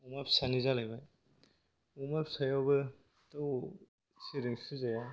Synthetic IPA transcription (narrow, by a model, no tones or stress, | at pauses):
umapsanizalajbaj | umapsajawbɯ | tɯw | siɾiŋsɯzaja